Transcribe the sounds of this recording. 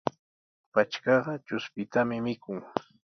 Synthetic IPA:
pat͡ʃkɑɢɑt͡ʃʊspɪt̪amɪmɪkʊŋ

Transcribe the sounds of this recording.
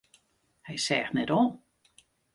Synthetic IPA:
hɛjsɛːxtnɛtoːn

